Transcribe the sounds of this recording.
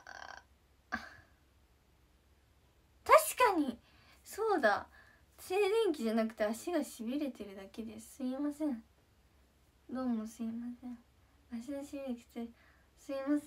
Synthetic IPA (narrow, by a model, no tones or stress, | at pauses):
a | a | t̪aɕi̥kaɲ̟i | so̞ːd̪a | se̞ːzẽ̞ŋk̬ʲiʑanakɯ̟̥t̪e̞aɕiɡaɕibʲiɾe̞t̪e̞ɾɯ̟d̪ake̞d̪esɨimasẽ̞ɴ | d̪o̞ːmosɨimasẽɴ | aɕiɡaɕibiɾekʲi̥t̪e | sɨimas